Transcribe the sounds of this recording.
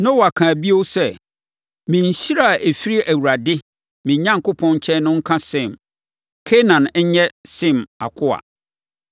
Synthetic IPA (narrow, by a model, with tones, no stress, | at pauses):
nã˦wɔ˨a˨kʰãː˨bi˦o˦sɛ˦ | mĩ˨n˨ɕi˦ɾa˦˨ʔe˨fi˦ɾi˦ʔæ˨wu˨ɾa˨dɪ˦ | mĩ˨ɲã˦ŋ˨kʊ˦pʰɔ̃˦n˦t͡ɕʰɛ̃˦nʊ̃˦ŋ̩˦kʰã˦sɪ̃˦˨m | kʰe˦nã˨n˦ɲ˦ɲɛ˦sɪ̃˦˨ma̰˨kʰʊ˦a̰˨